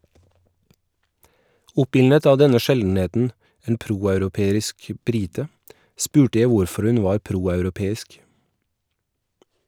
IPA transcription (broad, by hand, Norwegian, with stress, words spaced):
ˈʊpɪlnət ˈɑː ˈdɛnə ˈʃɛln̩ˌeːtn̩ ˈeːn ˈpɾuːɑʉɾʊˌpeːɾɪsk ˈbɾɪtə ˈspʉːʈə ˈjæ ˈʋʊɾfɔɾ ˈʉn ˈʋɑːɾ ˈpɾuːɑʉɾʊˌpeːɪsk